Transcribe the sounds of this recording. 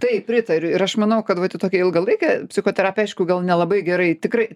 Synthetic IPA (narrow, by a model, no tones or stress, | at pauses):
t̪ɐɪppʲɾʲɪt̪ɐɾʲʊɪɾɐʃmɐnɐʊkɐt̪ʋɐt̪ʲɪt̪oːkʲɛɪlˠɡɐlˠɐɪkʲɛpʲsʲɪxoːt̪ʲɛɾaːpʲɛɪʃkʊɡɐlˠnʲɛlˠɐbɐɪɡʲɛɾɐɪt̪ʲɪkɾɐɪ